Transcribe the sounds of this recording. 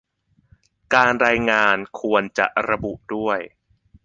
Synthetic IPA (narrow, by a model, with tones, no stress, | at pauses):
kaː˧nɾaː˧jŋaː˧nkʰu˧ənt͡ɕa̰˨˩ʔɾa˧bu˨˩ʔdu˥˩əj